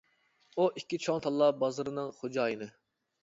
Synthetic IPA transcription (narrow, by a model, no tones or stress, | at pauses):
uʔikʲːit͡ʃʰoŋt̪ʰɑlˠːɑbɑzɨɾɨnɨŋχod͡ʒɑːjɨnɨ